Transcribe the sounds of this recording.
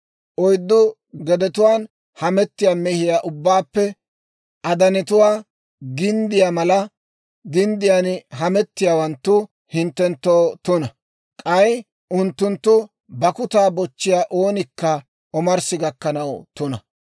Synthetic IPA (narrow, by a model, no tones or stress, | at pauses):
ʔɔjd̪ːʊ | ɡɛd̪ɛt̪ʊwaːn | hɐmɛt̪ːɪjaːmɛhɪjaːʔʊbːaːpːɛ | ʔɐd̪ɐnɛt̪ʊwaː | ɡɪnd̪ɪjamɐlɐ | ɡɪnd̪ɪjanɦɐmɛt̪ːɪjaːwɐnt̪ːʊ | hɪnt̪ːɛnt̪ːowt̪ʊnɐ | kʼɐj | ʊnt̪ːʊnt̪ːʊ | bɐkʊt̪aːbɔt͡ʃːɪjaːʔoːnɪkːɐ | ʔɔmɐɾsɪɡɐkːɐnɐwt̪ʊnɐ